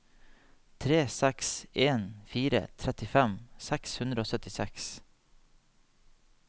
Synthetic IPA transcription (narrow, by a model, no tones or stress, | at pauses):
t̪ʰɾeːsɛkseːnfiːɾə̰t̪ʰɾɛt̪ɪfɛmsɛkshʉnd̪ɾəoːsœt̪ɪsɛ̰ks